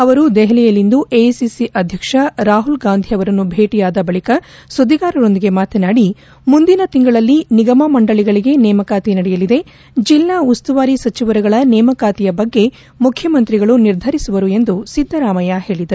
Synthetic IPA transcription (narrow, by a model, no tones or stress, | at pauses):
ɐʋɐɾud̪ɛɦɛlɛjɐlːind̪uʔesisiʔɐd̪ʱjɐkʂɐɾaːɦulɡaːnd̪ʱiɐʋɐɾɐnːubʱeːʈijaːd̪ɐbɐɭikɐsud̪iɡaːɾɐɾo̞nd̪iɡe̞maːt̪ɐnaːɽi | mund̪inɐt̪iŋɡɐɭɐlːiniɡɐmɐmɐɳɖɐɭiɡɐɭiɡe̞nɛːmɐkaːt̪inɐɽɛjɐlid̪e̞ | d͡ʒilːaust̪uʋaːɾisɐt͡ʃiʋɐɾɐɡɐɭɐnɛːmɐkaːt̪ijɐbɐɡːe̞ | mukʰjɐmɐnt̪ɾiɡɐɭuniɾd̪ʱɐɾisuʋɐɾue̞nd̪usid̪ʱːɐɾaːmɐjahe̞ːɭid̪ɐɾu